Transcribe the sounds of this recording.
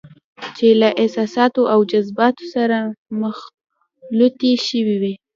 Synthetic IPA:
t͡ʃelaʔɪsɑsɑt̪oʔawd͡ʒazbɑt̪o̥saɾaməx | lut̪eʃəwiwi

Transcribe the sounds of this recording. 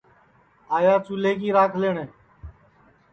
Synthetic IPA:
aːjaːt͡ʃuleːkiːɾaːkʰleːɳẽː

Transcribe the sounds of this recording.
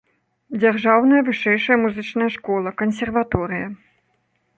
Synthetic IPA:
d͡zʲarʐawn̪ɐjɐvɨʂɛjʂɐjɐmuzɨt͡ʂnɐjɐʂkɔlˠɐkɐnsʲɛrvat̪ɔɾɨjɐ

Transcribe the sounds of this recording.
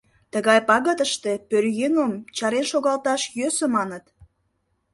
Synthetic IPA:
t̪əɣɑjpɑɣət̪əʃt̪epørjenəmt͡ɕɑɾenʃoɣɑlt̪ɑʃjøsə̆mɑnət̪

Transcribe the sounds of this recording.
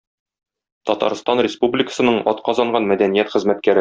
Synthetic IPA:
t̪ɒt̪ɑ̰ɾst̪ɑnrʲɪspublʲɪkə̥̆sɤ̆nɤɴɒt̪qɒzɑɴɢɑnmæd̪ænijæt̪χɘ̆zmæt̪kæɾɘ

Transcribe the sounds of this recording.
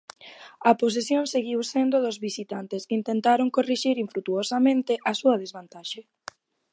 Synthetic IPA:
ɐpos̬esjoŋseɣiwsend̪oðozβisit̪ant̪eskint̪ent̪aɾoŋkoriʃiɾiɱfɾut̪uosamẽnt̪ɪʔɐsuɐð̞ezβant̪aʃe

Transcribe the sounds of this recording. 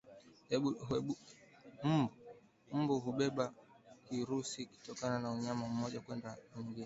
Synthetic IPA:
ɛ | m̩bu | m̩buɦuɓɛɓa | kiɾusiki̥tɔkananauɲamam̩ɔʄakwɛndauŋɡinɛ

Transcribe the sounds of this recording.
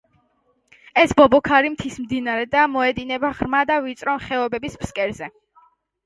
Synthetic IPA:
ɛsbɔbɔkʰaɾimt̪ʰismd̪inaɾɛd̪amɔɛd̪inɛbaʁɾmad̪avit̪sʼɾɔmχɛɔbɛbisbskʼɛɾzɛ

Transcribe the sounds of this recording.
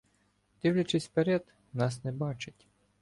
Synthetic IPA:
d̪̥ʲiwlʲɐt͡ʃɪsʲpeɾɛd̪ | nɑsnɛbɑt͡ʃɪtʲ

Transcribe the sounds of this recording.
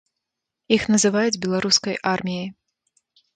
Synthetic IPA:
ixnɐzɨvajud͡zʲbʲɛlˠaɾuskɐjʔarmʲijɐj

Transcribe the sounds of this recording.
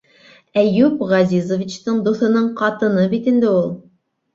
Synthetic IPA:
æjupʁɑzizovit͡ɕt̪əɴd̪uθɤ̆nɤɴqʰɑt̪ɤ̆nɤbit̪ind̪ɪulˠ

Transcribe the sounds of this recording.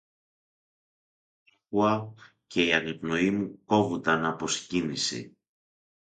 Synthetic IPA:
xuɐ | ce̞iɐnepno̞imuko̞vund̪ɐnɐpo̞scinisḭ

